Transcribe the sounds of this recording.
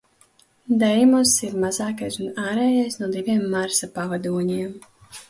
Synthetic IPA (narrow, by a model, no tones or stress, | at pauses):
d̪ɛjmɔsiɾmazaːkajsunaːɾɛːjajsnuɔd̪ivʲiɛmːaɾsapavad̪uɔɲiɛm